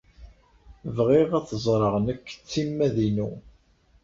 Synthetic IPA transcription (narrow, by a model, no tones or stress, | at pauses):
vʁɪʁæθəzˤɾˤəʁnəkːt͡sːimːæðinu